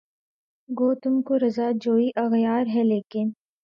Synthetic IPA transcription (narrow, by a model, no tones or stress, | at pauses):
ɡoːt̪ʊmkoɾɐzad͡ʒoːiʔɐɣjaːɾɦɛleːkɪn